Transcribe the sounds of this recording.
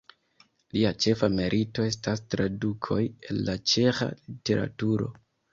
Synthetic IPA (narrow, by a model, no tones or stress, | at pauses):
liat͡ʃe̞fame̞ɾʔito̞e̞stastɾadukʰo̞je̞nːat͡ʃe̞xa̰lite̞ɾa̰tuɾo̞̰